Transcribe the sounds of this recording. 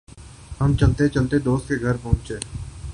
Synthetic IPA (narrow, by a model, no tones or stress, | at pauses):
hɐmt͡ʃɐlt̪et͡ʃɐlt̪ed̪oːst̪̚keɡʱɐɾpɐɦʊ̃nt͡ʃeː